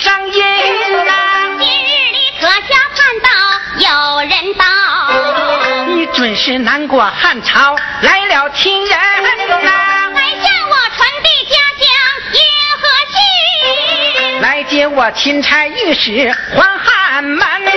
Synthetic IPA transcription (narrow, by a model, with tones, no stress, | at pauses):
ʈ͡ʂɑ˥ŋjɛ˥˧ | i˧ɻ̩˥˩li˨˩kʰɤ˧˥ɕjɑ˥ʊpʰa˥˧nt̪ɑ˥˩ʊ | jo˨˩ʊɻə˧˥nt̪ɑ˥˩ | ni˧˥˩ʈ͡ʂwə˨˩nʂɻ̩˥˩na˧˥nkwɔ˨˩xa˥˩nʈ͡ʂʰɑ˧˥ʊla˧˥ɪljɑ˧˥ʊt̪ʰi˥nɻə˧˥n˧na˧˥a˧˥ɪɕjɑ˥˩ŋwɔ˨˩ʈ͡ʂʰwa˧˥np̪i˥˧t͡ɕja˥ɕjɑ˥ŋjɛ˥˧˩xɤ˧˥ɕi˥˧ | la˧˥ɪt͡ɕjɛ˥wɔ˨˩t͡ɕʰi˧˥nt͡sʰa˧˥ɪy˥˩ʂɻ̩˧˥xwa˥nxa˥˩nma˥˧n